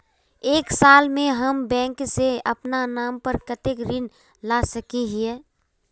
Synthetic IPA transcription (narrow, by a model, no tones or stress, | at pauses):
eːksaːlmẽɦəmbɛ̃ːŋkseɐ̰pnanaːmpəɾkət̪ekɾɪn | lasəkiɦiɛː